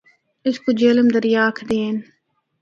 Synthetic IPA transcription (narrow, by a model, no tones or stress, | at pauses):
ɪskud͡ʒeːləmd̪əɾjaːkʰd̪eːn